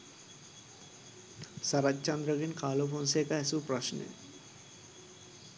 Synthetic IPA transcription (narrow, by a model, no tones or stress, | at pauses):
saɾad͡ʑt͡ɕand̪ɾaɡinkaːlobʱonsekaɛsupɾɔʃnḛ